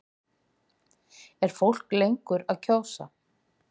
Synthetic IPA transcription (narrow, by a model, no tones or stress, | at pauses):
ɛɾ̥fowl̥klejŋkʏɾaðcʰaːwsa̰